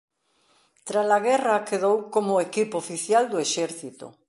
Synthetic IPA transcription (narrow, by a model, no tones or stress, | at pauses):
t̪ɾalaɣɛrɐkeðowkomʊekipoofiθjald̪oeʃɛɾθit̪ʊ̰